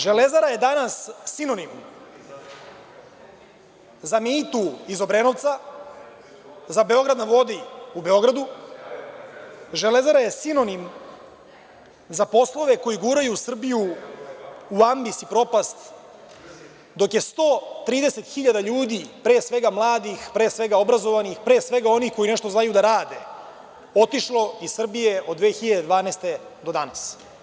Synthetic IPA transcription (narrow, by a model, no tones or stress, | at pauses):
ʒe̞le̞zaɾajed̪anasːino̞nim | zamiːt̪uizo̞bɾenoʋt̪sa | zabe̞o̞ɡɾad̪naʋo̞d̪iube̞o̞ɡɾad̪u | ʒele̞zaɾaje̞sino̞nim | zapo̞slˠo̞ʋeko̞jiɡuːɾajusr̩biju | uambisipɾo̞past̪ | d̪o̞kje̞st̪o̞ːt̪ɾiːd̪e̞se̞t̪xiʎad̪aʎuːd̪ipɾe̞ːsʋe̞ɡamlˠaːd̪ixpɾe̞ːsʋe̞ɡao̞bɾazo̞ʋanixpɾeːsvʋe̞ɡao̞nixko̞jinɛʃt̪o̞znajud̪aɾaːd̪e̞ | o̞t̪iʃlo̞izssr̩bije̞od̪d̪ʋe̞ːxiʎad̪ed̪vaːneːst̪e̞d̪o̞d̪anas